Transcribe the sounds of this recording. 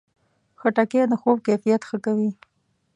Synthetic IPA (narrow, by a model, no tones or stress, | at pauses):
xəʈaked̪əxobkefijat̪xəkawi